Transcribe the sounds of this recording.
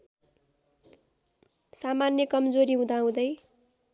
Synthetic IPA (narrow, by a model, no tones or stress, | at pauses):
samanjʌkʌmd͡zoɾiɦũd̪aɦũd̪ʌj